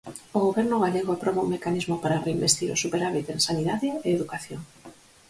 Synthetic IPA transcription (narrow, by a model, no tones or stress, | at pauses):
ʊɣoβɛɾnʊɣaleɣʊapɾoβauŋmekanizmʊpaɾareimbest̪iɾʊ̰supeɾaβit̪ẽŋsaniðaðɪeːðukaθjoŋ